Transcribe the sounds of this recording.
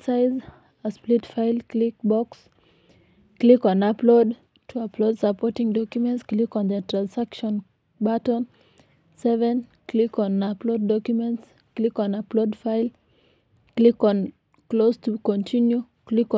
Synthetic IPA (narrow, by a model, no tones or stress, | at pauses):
saɪz | əsplitfaɪlklik̚bɔks | klikɔ̃naplod | tʰuapʰlodsəpʰɔtɪ̃ŋdɔkjumɛ̃ntsklikɔ̃nðətʰɹ̥ãnsakʃɔ̃n | batɔ̃n | sɛvɛ̃nkʰlikɔ̃naploʊdːɔkjumɛ̃nts | klikɔ̃naplodfaɪl | klikɔ̃n | klostʰukɔ̃ntʰĩnju | klik